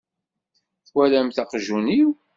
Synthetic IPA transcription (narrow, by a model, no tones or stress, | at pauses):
θwælæmθɑqʒuniw